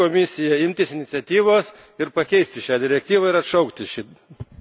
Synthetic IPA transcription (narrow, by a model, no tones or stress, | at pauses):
oːmʲɪsʲɪjɛɪmʲt̪ʲɪsɪnʲɪt̪sʲɛt̪ʲiːʋoːs | ɪɾpɐkʲɛɪsʲt̪ʲɪʃʲæːd̪ʲɪɾʲɛk̚t̪ʲiːʋɐɪɾɐt̪ʃɐʊkt̪ʲɪʃʲi